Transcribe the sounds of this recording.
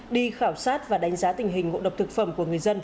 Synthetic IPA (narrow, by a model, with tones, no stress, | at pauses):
ɗi˧xaː˧˩wsaː˦˥t̚vaː˨˩ɗa˨˦ŋ̟zaː˨˦t̪ï˨˩ŋ̟ɦï˨˩ŋ̟ŋo̰˧˨ɗə˨˩w̚t̪ɨ˨˩k̚fə˧˩mku˧˩əŋɨ˨˩əjzə˧n